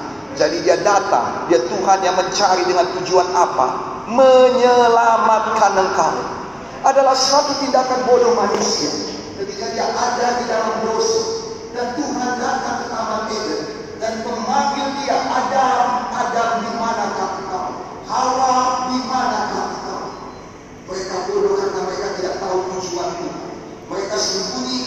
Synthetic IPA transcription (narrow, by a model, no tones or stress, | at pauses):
d͡ʒadidiadat̪a̰ŋdiat̪uɦanjaŋməɲt͡ʃaɾidəŋant̪ud͡ʒuanapa̰ | məɲəlamat̪̚kanəŋkaṵ | ʔadalahsat̪ut̪indakanbodɔhmanusia | kət̪ikadiaʔadadidalamdosa | dant̪uɦandak̪ak̪ət̪amanidə | danpəmaɡildiaʔadamadamdimanakapukaṵ | haladimanakapit̪a̰ṵ | məɾekabodokak̪amɾekat̪idaʔ̚t̪aut̪ud͡ʒuant̪ua̰ | məɾekasəmbuni